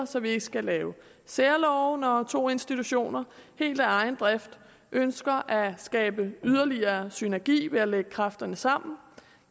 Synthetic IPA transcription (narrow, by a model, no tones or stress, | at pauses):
ɐsɒ̽ʋie̝ɡ̥əsɡ̥ælɛːʊ | seɐlɒʊnɒt͡sʰo̝̰ːe̝nsd̥it͡sʰuɕo̝̰ːnɐhe̝̰ːld̥æɑ̈ɪn̩d̥ʁafd̥ | ʔønsɡ̥ɐʔæsɡ̥ɛːb̥əyð̞ˠɐliɐːsynæɐɡ̥ḭːʋe̝æleɡ̥əkʰʁɑfd̥ɐnəsɑ̈m̰n̩